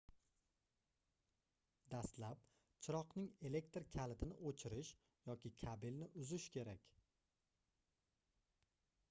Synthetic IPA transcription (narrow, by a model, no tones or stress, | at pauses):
d̪ast̪lap̚ | t͡ʃʰɪɾɒqnɪŋe̞le̞k̚t̪ɾkʲʰalɪt̪ʰɪnɪʔot͡ʃʰɪɾɪʃ | jɒkʲʰɪkʲʰabɪlnɪʔʊzɪʃkʲʰe̞ɾakʲ